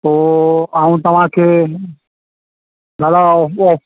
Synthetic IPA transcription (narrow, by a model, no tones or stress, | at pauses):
t̪oːaːũt̪ɐʋ̤ãkʰe | ɡaːlaɔː